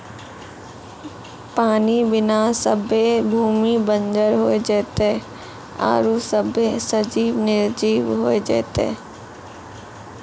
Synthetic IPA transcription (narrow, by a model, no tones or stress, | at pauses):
paːnibɪnasəbʱebʱuːmibə̃nd͡ʒəɾɦoːed͡ʒɛːt̪e | a̰ːɾusəbesəd͡ʒiːʋnɪɾd͡ʒiːʋɦoːed͡ʒɛ̰ːt̪ḛ